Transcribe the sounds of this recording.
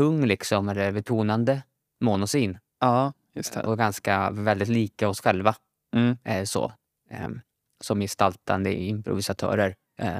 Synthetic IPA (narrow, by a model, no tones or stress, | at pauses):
ɵŋːlɪksɔmɛlːəɾbɛt̪ʰuːnand̪ə | mʊnʊsiːnː | jɵst̪ʰɛ̰ɔɡanskavɛld̪ɪt̪liːkaɔsɧɛlva | sɔ̰ | sɔmjɛst̪alt̪ʰa̰nd̪ə̰ɪmpɾʊ̰vɪsat̪ʰœ̰ːɾəɾ